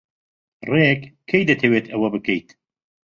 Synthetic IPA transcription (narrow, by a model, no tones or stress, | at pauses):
reːkkʰːejd̪ɛt̪ʰɛweːt̪ʰɐwɐbɨkejt̪